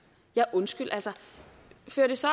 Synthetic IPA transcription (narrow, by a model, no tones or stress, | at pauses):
jɑ̈ʔɔ̽nsɡ̥yl̰ʔælsə | føɐd̥e̝sɒ̽